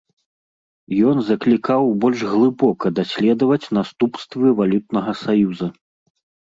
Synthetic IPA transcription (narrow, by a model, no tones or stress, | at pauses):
jɔnzɐklʲikawbɔlʲʐɣlˠɨbɔkɐd̪asʲlʲɛd̪ɐvɐt͡sʲnast̪upst̪vɨvalʲut̪̚nɐɣɐsajuzɐ